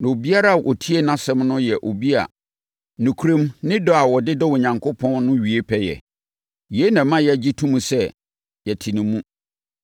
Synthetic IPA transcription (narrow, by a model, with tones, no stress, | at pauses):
nã˨o˨bi˦a˦ɾa˦˨ʔo̰˨tʰi˦e˦nã˦sɛ̃˦mnʊ̃˦jɛ˨ʔo˨bi˦a̰˨ | nũ˨kʰu˦ɾẽ˦mnɪ̃˦dɔ˦a˨wɔ˨dɪ˦dɔ˦wɔ˨ɲã˨ŋkʰo˦pʰɔ̃˦nnʊ̃˦ɥi˨e˦pʰɛ˦jɛ̰˨ | ji˨e˦nã˨mã˦jɛ˦˨d͡ʑi˦tʰũ˦mũ˨sɛ˦ | jɛ˨tʰi˨nĩ˨mũ˦